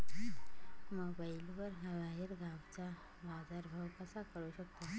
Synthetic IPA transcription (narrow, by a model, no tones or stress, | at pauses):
mobajilbəɾɦəʋajəɾɡʱaʋt͡sa | bazaɾbʱəwkəsakəɾuɕəkt̪o